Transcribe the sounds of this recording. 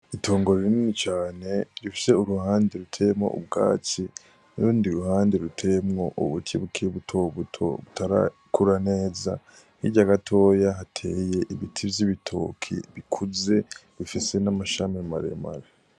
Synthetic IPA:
itʰo̞ːŋɡo̞ɾeɾininit͡ʃaːne̞ɾifi̥se̞uɾuhaːndeɾutʰemŋo̰ʔṵb̚ɡa̰ːt͡ʃi | nuɾuːndiɾuhaːndiɾutʰe̞mŋo̞ʔṵβutiβukʰeβutʰoβutʰo̰βutʰaɾa̰ | kʰuɾane̞ːza̰ | hḭɟaɡatʰo̞ːjaɦatʰe̞ːje̞ʔiβitʰivjiβitʰo̰kʰḭβikʰuze̞βifise̞namaʃamimaɾḛma̰ɾe

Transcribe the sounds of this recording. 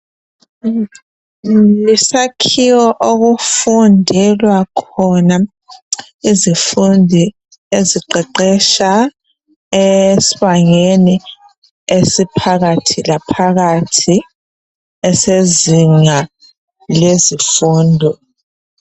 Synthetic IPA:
lisakʰiwɔʔoɣufundʱɛlwakʰɔna | izifundʱi | eziǃɛǃɛʃa | esiβaŋeni | esipʰaɣatʰilapʰaɣatʰi | ɛseziŋa | lezifuːndʱɔ

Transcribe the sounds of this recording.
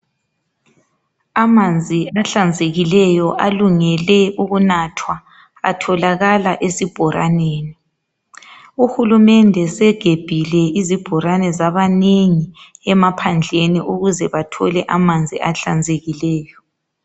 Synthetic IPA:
amand͡zʱiaɬand͡zʱeɣilɛjɔʔaluŋɛlɛuɣunatʰwa | a̰tʰɔlaɣalaʔesib̥ʱɔɾa̰neːni | uhulumɛndʱɛsɛɡ̥ʱeb̥ʱilɛizib̥ʱɔɾanɛzaβaneŋiɛmapʰand͡ɮʱeniʔuɣuzɛβatʰɔ̰lɛʔamand͡zʱiʔaɬand͡zʱeɣilɛːjɔ

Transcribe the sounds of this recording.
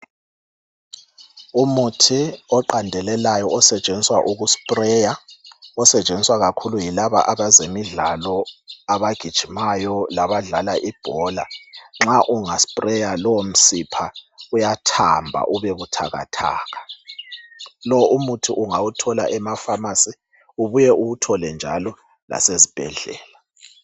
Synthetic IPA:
umutʰiɔǃandʱɛlɛlajɔɔsɛt͡ʃʼeniswaʔuɣuspʼrɛjaɔsɛt͡ʃʼeniswaɣakʰulujilaβa̰ʔaβazemiɮalɔaβaɡ̥ʱid̥ʒ̥ʱimajɔlaβaɮalaʔib̥ʱɔla̰ŋ͡ǁaʔuŋaspʼrɛjalɔwom̩sipʰaujatʰambʱa̰ʔuβeβutʰa̰ɣa̰tʰa̰ːɣa | lɔumutʰuʔuŋawutʰɔla̰ʔɛmafamasi | uβujɛʔuɣutʰɔlɛnd͡ʒʱa̰lɔ | la̰sezib̥ʱɛ̰ɮɛ̰ːla

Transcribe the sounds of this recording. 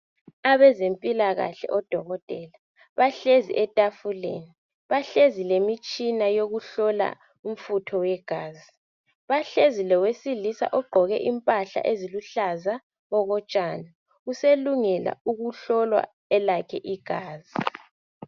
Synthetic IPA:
aβɛzempʼilaɣa̰ɬɛ̰ʔɔd̥ʱɔɣɔtʼɛːla | βaɬezḭʔɛtʼafulḛni | βaɬezilemit͡ʃʼinajoɣuɬɔla̰ | um̩futʰɔwɛɡ̥ʱaːzi | βaɬezilɔwesilisa̰ʔɔɡ͡ǃʱɔɣɛʔimpʼaɬa̰ʔeziluɬaza | ɣɔɣɔt͡ʃʼana | useluŋɛla̰uɣuɬɔlwa̰ | ɛlakʰɛʔiɡ̥ʱaːzi

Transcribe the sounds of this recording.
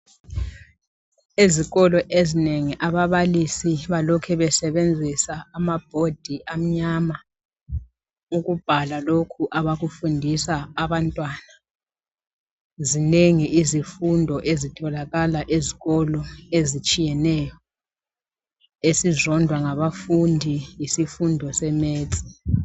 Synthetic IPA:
eziɣɔlɔʔezineŋiʔaβaβalisiβalɔkʰɛβɛsɛβend͡zʱisaːmab̥̚ʱod̥ʱiʔam̩ɲama | uɣub̥ʱalalokʰuʔaβaɣufundʱisaːβantʼwana | zineŋiʔizifundʱɔʔezitʰɔlaɣalaʔeziɣɔlɔezit͡ʃʼijɛnɛːjɔ | esizɔndʱwaŋaβafundʱijisifundʱɔsɛmeːt͡sʼi

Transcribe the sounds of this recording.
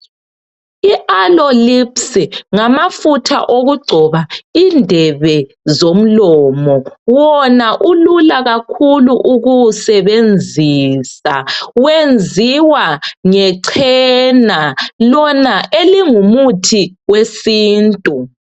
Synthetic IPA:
iʔalɔlipsiŋamafutʰa̰ʔoɣuɡ͡ǀʱɔβaindʱɛβɛ | zom̩lɔːmɔwɔnaʔululaɣakʰuluʔuɣusɛβend͡zʱiːsawend͡zʱiwaŋɛǀʰɛnalɔnaʔeliŋumutʰiwesiːntʼu

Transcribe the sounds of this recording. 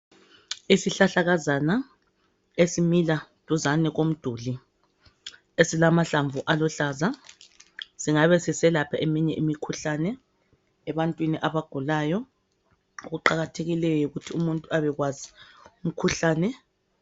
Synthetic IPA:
isiɬaɬaɣazana | esimilatʼuzanɛɣom̩d̥ʱuːli | esilamaɬaɱvuʔalɔɬaːza | siŋaβɛsisɛlapʰaʔemiɲɛʔimikʰuɬaːnɛː | βantʼwiniʔaβaɡ̥ʱulaːjɔ | uɣuǃaɣatʰeɣilɛjɔjɔuɣutʰiumuntʼuaβɛɣwazium̩kʰuɬaːnɛ

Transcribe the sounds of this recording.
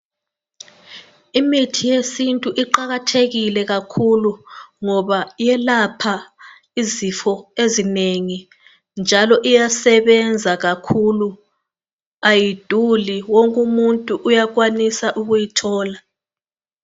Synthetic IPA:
imitʰijesintʼuʔiǃaɣatʰeɣilɛɣakʰuluŋɔβajɛlapʰa | izifɔezineŋi | nd͡ʒʱalɔʔijasɛβɛnd͡zʱaɣakʰulu | ajid̥ʱuliwoŋkʼumuntʼuʔːjaɣ̬wanisaʔuɣujitʰɔːla

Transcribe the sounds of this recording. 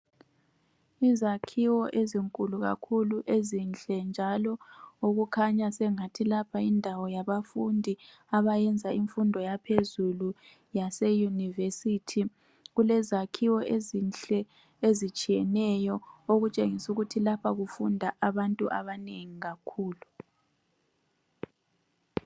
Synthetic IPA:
izakʰiwɔʔeziŋkʼuluɣa̰kʰuluʔezinɬʼɛnd͡ʒʱalɔoɣukʰaɲasɛŋatʰilapʰaindʱawɔjaβafundʱi | aβajɛnd͡zʱaiɱfundʱɔjapʰezulu | jasɛjunivesitʰi | ɣulɛzakʰiwɔʔezinɬɛ | ezit͡ʃʼijɛnɛjɔoɣut͡ʃʼeŋisuɣutʰilapʰaɣufundʱaʔaβantʼuʔa̰βaneŋiɣakʰuːlu

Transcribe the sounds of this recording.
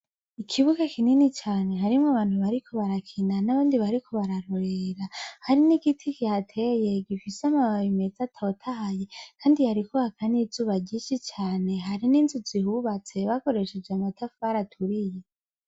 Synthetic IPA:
ikʰiβuɡakininit͡ʃaːne̞ɦaɾimŋaβaːnhuβaɾikʰo̞βaɾakʰinanaβaːndiβaɾikʰo̞βaɾaɾo̞ɾeɾahaɾiniɡitʰikihatʰe̞je̞ɡifiseamaβawimezatʰaotʰahaje̞kʰaːndihaɾikohakʰanizuːβaɟiʃit͡ʃaːne̞ɦaɾininzuzihuβat͡se̞βako̞ɾe̞ʃed͡ʒeamatʰafβaɾatʰuɾije

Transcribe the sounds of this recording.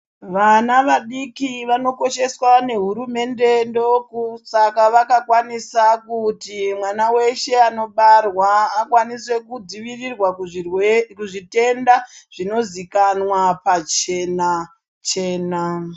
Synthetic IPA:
ʋanaʋaɗikiʋano̞ko̞ʃe̞swane̞ɦuɾume̞nde̞ndo̞kusakaʋakakwanisakutimwanawe̞ʃe̞ano̞ɓarwaːkwaniswe̞kud͡ziʋirirwa | kuʐite̞ndaʐ̥ino̞zikanwapat͡ʃena | t͡ʃe̞ːna

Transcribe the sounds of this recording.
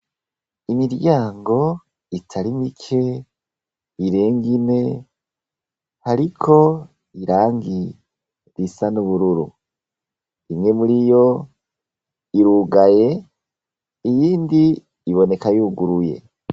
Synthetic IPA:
imiɾɟaːŋɡo̞ | itʰaɾimikʰe̞ | iɾe̞ːŋɡine̞ | haɾikʰo̞ | iɾaːŋɡi | ɾisanuβuɾuɾṵ | imŋe̞muɾijo̞ | iɾuɡaje̞ | ijiːndiː | βo̞ne̞kajuːɡuɾuje̞̰

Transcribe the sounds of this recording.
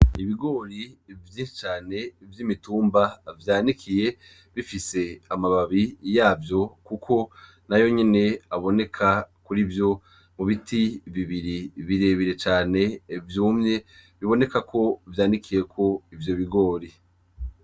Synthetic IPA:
iβiɡo̞ːɾivjiːnʃit͡ʃaːne̞vjimituːmbavjaːnikʰije̞ | βifise̞amaβaβijaːvjo̞kukʰo̞ | najo̞ɲene̞aβo̞ne̞kʰakuɾivjo̞ | muβitʰiβiβiɾiβiɾe̞βiɾet͡ʃaːne̞vjuːmɲe̞βiβo̞ne̞kakʰo̞vjaːnikʰije̞kʰo̞ivjo̞βiɡo̞ːɾi

